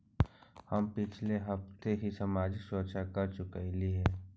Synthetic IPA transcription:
həmpɪt͡ʃʰleɦəft̪eɦisɐmaːd͡ʒɪksoːt͡ʃakɐɾt͡ʃʊkailiɦɛː

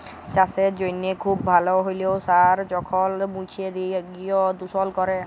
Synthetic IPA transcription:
t͡ʃasɛd͡ʒojnekʰubːʱalɔɦojleʊsaɹd͡ʒɔkʰɔlmũt͡ʃʰied̪iɡiɔd̪usɔlkɔɹɛ

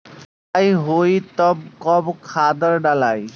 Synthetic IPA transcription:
ajɦojt̪ɔb̚kɔbkʰad̪əɹɖalaj

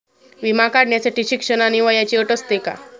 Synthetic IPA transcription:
ʋimakaɽɳjat͡saʈiɕikʂənaniʋəjat͡ɕiːəʈəst̪eka̰

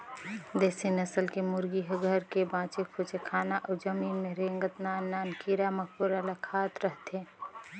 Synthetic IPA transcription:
d̪eːsinəsəlkemʊɾɡiɦɡʱəɾkebãːt͡ʃikʰʊt͡ʃʰekʰaːnaʔɔd͡ʒəmiːnmẽɾẽːŋɡət̪naːnːaːnkiɾamək̚ʰpuɾalakʰaːt̪ɾəɦt̪eː

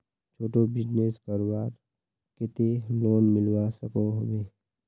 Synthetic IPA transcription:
t͡ʃʰoːʈobɪzneskəɾwaːɾ | kɪt̪eloːnmɪlwasəkoɦobeː

